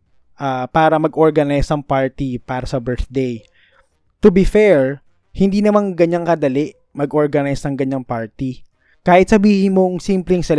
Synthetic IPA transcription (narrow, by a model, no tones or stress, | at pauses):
ʔapaːɾɐmɐɡʔoɹɡɐnajsnɐŋpaɹt̪ipaːɾɐsɐbɛɹθd̪ej | t̪ʊbifɛɹ | hɪnd̪iːnɐmaŋɡɐɲːaŋkɐd̪ɐlɛʔ | mɐɡʔoɹɡɐnajsnɐŋɡɐɲaŋpaɹt̪i | kaːhɪt̪̚sɐbiːhɪnmoŋsimplɛŋsɛl